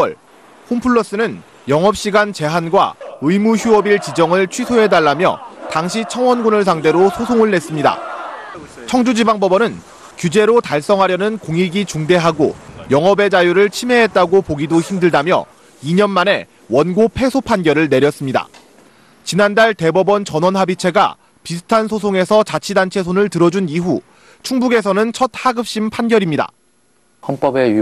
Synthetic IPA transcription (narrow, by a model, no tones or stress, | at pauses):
wʌɭ | kʰompʰuɭːʌs͈ɯnɯn | jʌŋɦʌp̚ɕ͈iɡant͡ɕe̞ɦanɡwa̰ɯimuçjuʌbiɭt͡ɕid͡ʑʌŋɯɭt͡ɕʰwɥisʰoɦe̞daɭːamjʌ̰taŋɕ̬ʰit͡ɕʰʌŋwʌnɡunɯɭs̬ʰaŋde̞ɾosʰosʰoŋɯɭːe̞s͈ɯmɲida̰ | t͡ɕʰʌŋd͡ʑud͡ʑibaŋbʌbʌnɯn | kjud͡ʑe̞ɾotaɭs͈ʌŋɦaɾjʌnɯnkoŋiɡit͡ɕuŋde̞ɦaɡo̰jʌŋɦʌbe̞d͡ʑajuɾɯɭt͡ɕʰimɦe̞ɦet̚t͈aɡopoɡidoçimdɯɭdamjʌ̰ | iɲʌnmane̞ | wʌnɡopʰe̞sʰopʰanɡjʌɾɯɭne̞ɾjʌs͈ɯmɲida̰ | t͡ɕinandaɭte̞bʌbʌnt͡ɕʌnwʌnɦabit͡ɕʰe̞ɡa̰ | pisʰɯ̥tʰansʰos̬ʰoŋe̞sʰʌt͡ɕat͡ɕʰidant͡ɕʰe̞sʰonɯɭtɯɾʌd͡ʑuniɦu | t͡ɕʰuŋbuɡe̞s̬ʰʌnɯnt͡ɕʰʌt̚haɡɯp̚ɕ͈impʰanɡjʌɾimɲida̰ | hʌnp͈ʌbe